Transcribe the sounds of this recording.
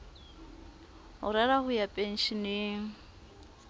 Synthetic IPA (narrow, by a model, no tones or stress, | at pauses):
ɦʊ̰ɾaɾahʊjapʼen̩ʃineŋ̩